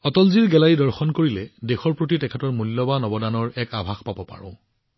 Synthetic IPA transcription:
ɔtɔlziɹɡɛlaɹidɔɹxɔnkoɹilɛdexɔɹpɹot̬itɛkʰɛtɔɹmulːɔbanɔbɔdanɔɹɛkabʱaxpabɔpa̰ɹʊ̰̃

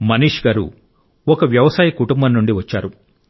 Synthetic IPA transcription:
mɐniːʂɡaːɾṵ | ɔkɐʋjɐʋɐsaːjɐkuʈumbɐnːuɳɖiʋɐt͡ʃːaːɾu

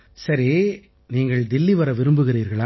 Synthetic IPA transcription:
sɐɾi | niːŋɡɐɭd̪ɪlːiʋɐɾɐʋɪɾɯmbɯɣɪɾiːɾɣɐɭaː

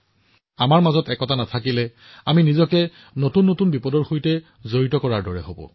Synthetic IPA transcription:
amaɹmazɔtɛkɔtanatʰakilɛ | aminizɔkɛ | notunːotunbipɔdɔɹxojtɛ | zoɹitɔkɔɹaɹdɔɹɛ̰ɦobɔ̰

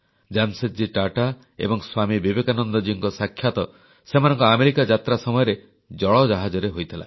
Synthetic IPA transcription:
d͡ʒamset̪̚d͡ʒiʈaʈa | ḛbɔŋswamibibekanɔnd̪ɔd͡ʒiɔŋkɔsakʰːjat̪ɔ | semanɔ̃ŋkɔameɾikad͡ʒat̪ɾasɔmɔjɔɾe | d͡ʒɔɭɔd͡ʒaɦad͡ʒɔɾeɦojt̪ʰila̰

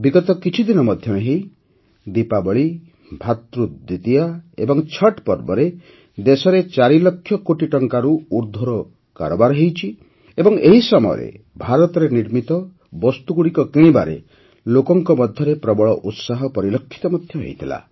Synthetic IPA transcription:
biɡɔt̪ɔkit͡ʃʰid̪inɔmɔd̪ʱjɔmeɦej | d̪ipabɔɭi | bʱat̪ɾud̪it̪ijaḛbɔŋt͡ʃʰɔʈpɔɾbɔɾe | d̪esɔɾet͡ʃaɾilɔkʰːjɔkoʈiʈɔŋkaɾuuɾd̪ʱɔɾɔ | ka̰ɾɔbaɾɔɦejt͡ʃʰi | ebɔŋeɦisɔmɔjɔ̰ɾḛ | bʱaɾɔt̪ɔɾeniɾmit̪ɔ | bɔst̪uɡuɽikɔkiɭ̃ĩbaɾḛ | lokɔŋkɔmɔd̪ʱjɔɾepɾɔbɔɭɔʔut̪saɦɔpɔɾilɔkʰːi̥t̪ɔmɔd̪ʱjɔɦḛjt̪ʰila̰

